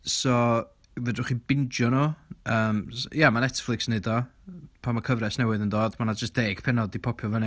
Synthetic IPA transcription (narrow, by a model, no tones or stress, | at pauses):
sɔ | ðədrʊχib̥ɪnd͡ʒjɔnoəːmjamanɛtflˠɪksnedɔpʰamakʰəvɾɛsnɛwɨðəndoːdmanad͡ʒəstd̥eːɡ̥pʰɛnɔdipʰɔpʰjɔvəni